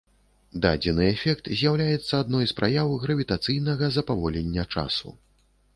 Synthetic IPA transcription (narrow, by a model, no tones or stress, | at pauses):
d̪a̰d͡zʲɛnɨɛfʲɛk̚t̪zʲjawlʲajɛt̪sːɐad̪nɔjspɾʔajawɣɾɐvʲit̪at̪sɨjnɐɣɐzɐpavɔlʲɛnʲːɐt͡ʂa̰sṵ